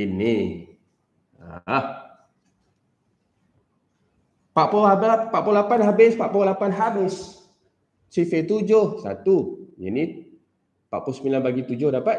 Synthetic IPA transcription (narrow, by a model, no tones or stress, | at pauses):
inːi | a̰h | paʔpɔabpaʔpolapanɦabɪspaʔpolapanɦabɪs | sifet̪ud͡ʒʊhsa̰t̪ud͡ʒani | paʔpusəmilanbaɡit̪ud͡ʒʊhdapat̪